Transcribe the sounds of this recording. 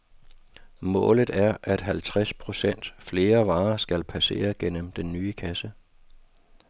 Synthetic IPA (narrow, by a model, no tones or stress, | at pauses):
mɔ̰̽ːlð̞̩ˠæɐʔæd̥ɦælt͡sʰʁaspʰʁo̝sen̰d̥fle̝ːɐʋɑ̈ːsɡ̥ælpʰæse̝̰ːɐɡ̥en̰əmd̥enːyːəkʰæsə